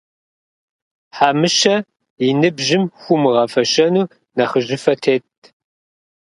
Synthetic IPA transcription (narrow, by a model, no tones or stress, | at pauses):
ħaːmɨʃɐ | jinɨbʒɪmxʷʊmɨʁɐfɐɕɐnuː | nɐχəʑɪfɐtʰeːt̚ʰ